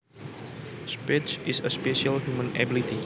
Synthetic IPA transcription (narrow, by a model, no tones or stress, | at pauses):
spɪtsisəspɛʃəlhjumə̃nɛ̰bilit̪i